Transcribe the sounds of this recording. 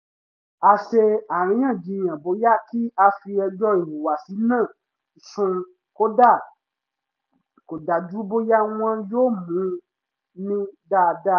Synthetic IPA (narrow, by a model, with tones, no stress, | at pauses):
a˧ʃe˧a˨ɾ̃ĩ˧˦ã˦˨d͡ʒĩ˨˧j̃ã˨bo˨˦ja˦ki˦a˧fi˧ɛ˧d͡ʒɔ˦i˨wu˨wa˨si˨˦nãː˦˨ | sũ˧ | ko˦da˦˨ | ko˨da˨d͡ʒu˨˦bo˧ja˦w̃ɔ̃˧joː˦˨mũ˨˦ | nĩ˦da˦˧da˦˨